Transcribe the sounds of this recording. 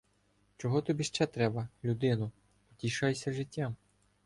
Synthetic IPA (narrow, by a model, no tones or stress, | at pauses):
t͡ʃɔɦɔt̪ɔbʲiʃt͡ʃɛt̪ɾɛbɐlʲud̪ɪnʊ | ɔtʲiʃɑjesʲɐʒɪtʲːam